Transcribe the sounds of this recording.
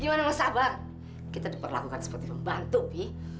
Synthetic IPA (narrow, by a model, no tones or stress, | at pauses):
ɡimanamasaba | kit̪adipərla̰kukansə̥pərt̪ipəmbant̪upih